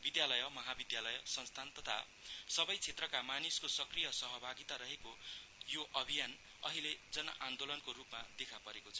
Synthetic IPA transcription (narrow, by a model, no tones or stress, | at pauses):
bid̪jalʌjʌmʌɦabid̪jalʌjsʌnst̪ʰant̪ʌt̪ʰa̰ | sʌbʌjt͡sʰet̪rʌkamaniskosʌkrijʌsʌɦʌbʱaɡit̪aɾʌɦekojoʔʌbʱijan | ʌɦiled͡zʌnʌ̰ʔand̪olʌnkoɾupmad̪ekʰapʌɾekot͡sʰʌ̥